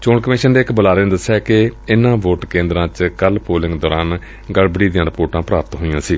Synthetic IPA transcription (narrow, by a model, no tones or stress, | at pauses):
t͡ʃoːɳkəmɪːʃənd̪eɪkbəlaːɾeːnd̪əsːɛːkɪɪnãːʋoːʈkẽːnd̪ɾãːt͡ʃkəlpoːlɪ̃ŋɡd̪ɔːɾaːn | ɡəɽbəɽiːd̪ɪjãːɾəpoːʈãːpɾaːpt̪ɦoːijãːsiː